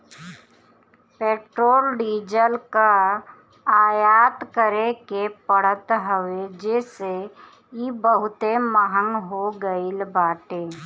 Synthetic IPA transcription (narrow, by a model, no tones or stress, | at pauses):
peːʈɾoːlɖiːd͡ʒəlka | aːjaːt̪kəɾekepəɽ̤ət̪ɦəʋed͡ʒeːse | jibəɦʊt̪eməɦəŋɡɦoɡəilbaːʈeː